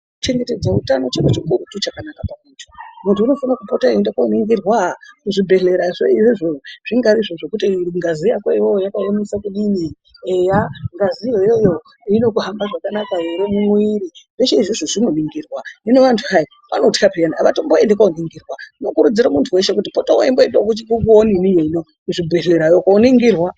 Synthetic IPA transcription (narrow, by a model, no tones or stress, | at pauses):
kut͡ʃe̞ŋɡe̞te̞d͡zautano̞t͡ʃeket͡ʃikuɾutut͡ʃakanakapamuntʰu̥muntʰuːno̞fanakupo̞taendekwaoniŋɡirwakuʐibʱe̞ɬe̞ɾaʐeiʐiʐoʐ̥iŋɡaɾiʐoʐe̞kutiŋɡazijakwaiwojakaonesakuɗini | ejaŋɡazijojojo̞ | ino̞kuɦambaʐakanakaeɾemumwiɾiʋeʃeiʐiʐoʐinoniŋɡiːrwaino̞ʋantʰuɦai | pano̞ti̥kapejanaaʋatomboendekaoniŋɡirwano̞kuɾud͡ziɾamuntʰuwe̞ʃe̞kutipotawo̰emboendokut͡ʃikukuoninijoino | kuʐibʱe̞ɮe̞ɾajokaniŋɡirwa